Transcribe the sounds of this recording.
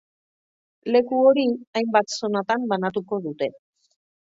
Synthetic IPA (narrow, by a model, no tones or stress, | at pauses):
le̞kuo̞ɾiajmbat̪so̞nat̪ambanat̪̬uko̞ðut̪e̞